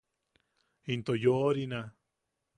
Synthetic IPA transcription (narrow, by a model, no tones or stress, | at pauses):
int̪ojoɾina